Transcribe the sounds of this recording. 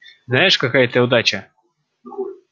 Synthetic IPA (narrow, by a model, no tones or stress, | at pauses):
znajɪʂkɐkajɐt̪ɨʊd̪at͡ɕɐ